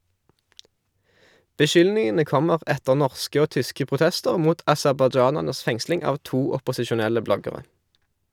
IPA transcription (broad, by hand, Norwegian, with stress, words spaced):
bəˈʃʏlnɪŋənə ˈkɔməʁ ˈɛtəʁ ˈnɔʁskə ˈoː ˈtʏskə pʁʊˈtɛstəʁ ˈmuːt ɑsɛʁbɑˈd͡ʒɑːnæʁnəs ˈfɛŋslɪŋ ˈɑːʋ ˈtuː ɔpɔsɪʃʊˈnɛlə ˈblɔɡəʁɛ